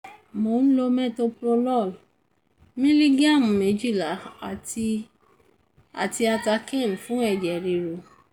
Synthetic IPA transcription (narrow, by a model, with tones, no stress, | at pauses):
mo˨˦ñ̩˦lo˧mɛ̃˦˨to˧pɾo˧lɔ˦˨l | mĩ˦li˦ɡa˦˨m̩˨mẽ˨˦d͡ʒi˦˨la˨˦˨ | a̰˨ti˧a˧ta˧kɛ̃˦˨n˨fũ˨˦ɛ˦˨d͡ʒɛ˨ɾi˨ɾo˨